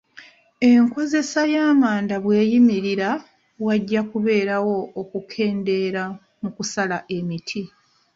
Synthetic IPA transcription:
e̞ŋko̞ze̞sajaːmaːndaβwe̞ːjimiɾiɾa | waɟːakuβe̞ːɾawo̞ːkukʰe̞ːnde̞ɾa | mukusalaʔe̞mitʰi

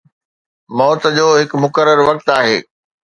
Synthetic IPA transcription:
mɔːt̪d͡ʑoːɦɪkmʊkəɾəɾʋɐk̚t̪aːɦḛː

